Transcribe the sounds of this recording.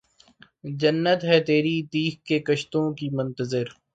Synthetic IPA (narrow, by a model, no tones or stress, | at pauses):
d͡ʒɐnːət̪ɦɛt̪eːɾit̪iːxkekəʃt̪õːkimʊ̃nt̪əzɪɾ